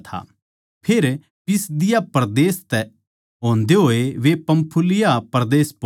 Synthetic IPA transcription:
t̪ʰa̰ | pʰeːɾ | pɪsd̪ɪjapɐɾd̪eːst̪ɛ | ɦõːnd̪eɦoːeʋepɐ̃mpʰulɪjapɐɾd̪eːsp

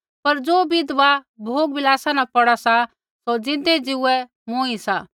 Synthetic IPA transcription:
pɐɾd͡zoːbɪd̪ʋabʱoːɡbɪlaːsanapɐɽasa | sod͡zɪ̃nd̪ed͡zɪuɛ | moːĩsa

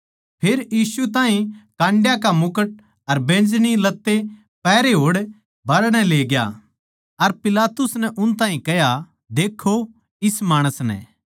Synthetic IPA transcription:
pʰeːɾjiːsut̪̬ãːɦĩkãːɳɖjakamʊkəʈ̚ | ɐɾbẽːnd͡ʒɽ̃ilɐt̪ːe | pɛːɾeɦoːɽ | bʱɐɾɽ̃ɛleːɡja̰ | ɐɾpɪlaːt̪ʊsnɛʔʊnt̪ãːɦĩkɛja | d̪eːkʰːo | ɪsmaːɽ̃əsnɛ̰̃ː

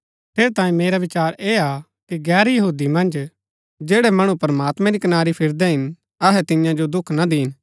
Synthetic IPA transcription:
pʰeːɾt̪ãːĩmeːɾaʋɪt͡ʃaːɾeːa | kiɡɛːɾjɐɦuːd̪imɐ̃nd͡ʒ | d͡ʒeːɽɛmɐɽ̃ũpɐɾmaːt̪mɛ̃ɾikɐnaːɾipʰɪɾd̪ɛɦɪn | ɐɦɛt̪ɪjãd͡ʒod̪ʊkʰnad̪iːn

